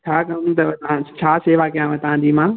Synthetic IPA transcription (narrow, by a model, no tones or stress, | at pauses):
t͡ɕʰaːkɐ̃ut̪ɐt̪ɐʋãt͡ɕʰaːseːʋakɐjãʋɐt̪ɐʋãd͡ʑiːmãː